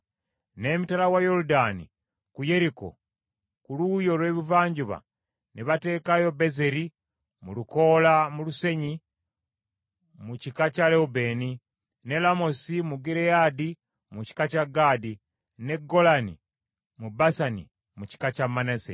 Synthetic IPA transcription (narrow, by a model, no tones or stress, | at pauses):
ne̞mitalawajo̞ɾudanḭ | kuje̞ɾiko̞̰ | kulujo̞lwe̞ːβivaːɲɟuβa̰ | niβate̞ːkajo̞be̞ze̞ɾi | muluko̞ːlamuluse̞ɲi | mucikacaleube̞ːni | ne̞lamo̞simuɡiɾejadi | muci̥kacaɡaːdi | ne̞ɡo̞lanḭ | mubasanḭ | muci̥kacamːanasḛ